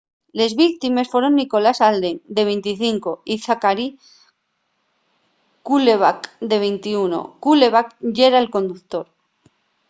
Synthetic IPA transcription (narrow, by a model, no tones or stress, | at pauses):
le̞zβikt̪ime̞sfwe̞ɾo̞nːiko̞lasald̪eŋd̪e̞β̞ejnt̪iθiŋko̞iθakaɾi | kuleβakd̪e̞βejnt̪iuno̞̰kule̞βakʝeɾaelko̞nd̪uθt̪o̞ɾ